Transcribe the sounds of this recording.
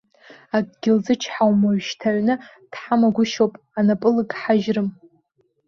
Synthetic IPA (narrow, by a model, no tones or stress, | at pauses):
ak̚ʼɡʲɪlzɨt͡ʃʰħawmaɥʷʃtʰaʕnɨ | d̥ħamaɡʷʊʃowpʼ | anapʼɨlɨkʼħaʒrɨm